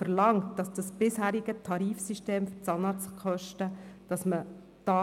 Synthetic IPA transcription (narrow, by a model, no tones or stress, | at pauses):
fəɾlɑŋtd̥ɑsd̥ɑsb̥ɪshæːɾiɡətʰɑɾiːfsiʃteːmfʏt͡sɑnɑt͡skʰœʃtəd̥ɑsmə | d̥ɑː